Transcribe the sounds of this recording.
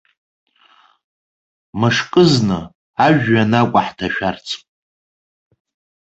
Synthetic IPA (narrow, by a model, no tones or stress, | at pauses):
mɨʂkʼɨznɨ | aʒᶣːanakʷʼaħtʰaʃᶣart͡sʰpʼ